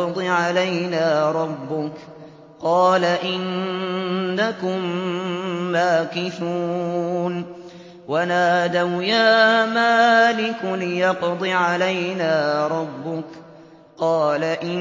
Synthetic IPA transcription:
d̪ˤɨʕalajnaːɾˤɑbːʊk | qɑːlaʔɪnː | akʊmː | aːkɪθuːn | wanaːd̪awjaːmaːlɪkʊlɪjɑqd̪ˤɨʕalajnaːɾˤɑbːʊk | qɑːlaʔɪ

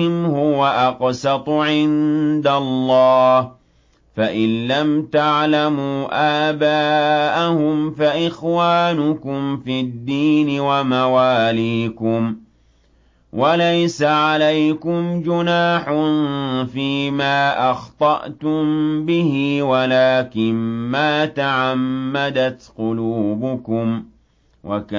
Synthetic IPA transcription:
ɪmhʊwaʔɑqsɑt̪ˤʕɪnd̪alːɑːh | faʔɪnlamt̪aʕlamuːʔaːbaːʔahʊmfaʔɪxwaːnʊkʊmfid̪ːiːnɪwamawaːliːkʊm | wʔalajsaʕalajkʊmd͡ʒʊnaːħʊnfiːmaːʔɑxt̪ˤɑʔt̪ʊmbɪhɪwalaːkɪnmaːt̪aʕamːad̪at̪qʊluːbʊkʊm | wʔa̰ka

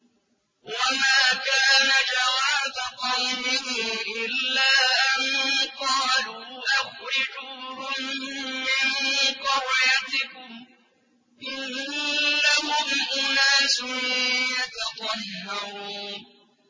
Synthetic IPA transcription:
wamaːkaːnad͡ʒawaːdaqɑwmɪdɪmʔɪlːaːʔanqɑːluːʔaɣɪd͡ʒuɾʊmːɪmqɑwɪjat̪ɪkʊm | ʔɪnː | ahʊmʔʊnaːsʊmjat̪ɑt̪ˤɑhːɑɾuːn

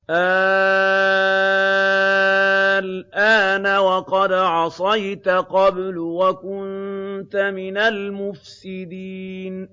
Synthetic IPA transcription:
ʔa | lʔaːnawɑqɑd̪ʕɑsˤɑjt̪aqɑblwakʊnnt̪amɪnalmʊfsɪd̪iːn

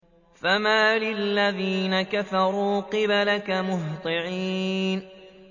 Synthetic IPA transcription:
famaːlɪlːaðiːnakafɑɾˤuːqɨbalakamʊɦt̪ˤɨʕiːn

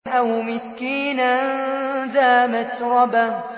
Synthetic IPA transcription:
ʔawmɪskiːnanðaːmat̪ɾˤɑba

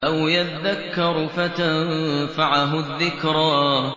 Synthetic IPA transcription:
ʔawjat̪aðakːɑɾˤfat̪anfaʕaɦʊðːɪkɾˤaː

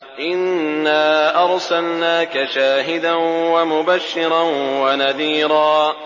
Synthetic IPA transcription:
ʔɪnːaːʔɑɾˤsalnaːkaʃaːɦɪd̪anwamʊbaʃːɪɾɑnwanaðiːɾˤɑː

